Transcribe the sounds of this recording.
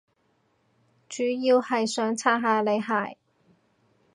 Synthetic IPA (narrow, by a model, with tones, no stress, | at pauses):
t͡ʃyː˨˥jiː˧whɐ˨jsœː˨˥ŋt͡sʰaː˥ɦaː˨˧le˨˧jɦaː˨˩j